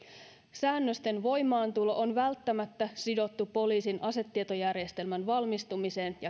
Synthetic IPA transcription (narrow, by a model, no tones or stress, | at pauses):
sæːnːøst̪e̞nʋo̞jmɑːnt̪ulo̞ʔonʋælt̪ːæmæt̪ːæsido̞t̪ːupo̞liːsinʔɑse̞t̪ːiet̪o̞jærjest̪e̞lmænʋɑlmist̪umise̞ːnjɑ